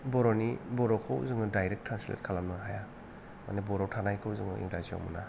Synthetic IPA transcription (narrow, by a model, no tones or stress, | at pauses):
bɔɾɔnibɔɾɔkʰawzɯŋɯdajɾek̚tʰɾanslḛt̚kʰalamnɯɦaja | ma̰nebɔɾɔtʰanajkʰawzɯŋɯ̰ḭŋɾazia̰wmṵna